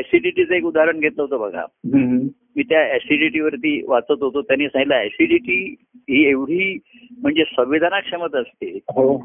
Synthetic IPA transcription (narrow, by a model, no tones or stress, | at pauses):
ɛsiʈiʈit͡səekud̪aɾəɳɡʱet̪ləɦot̪obʱəɡʱa̰ɦ | miːt̪jaɛsiɖiʈiʋəɾt̪iːʋat͡sət̪ɦot̪ot̪janːiːsãŋɡilaɛsiɖiʈiː | ɦiːeʋɽ̤iː | m̤əɳd͡zesʋəʋʋid̪ʱanakʂemət̪əst̪eɦo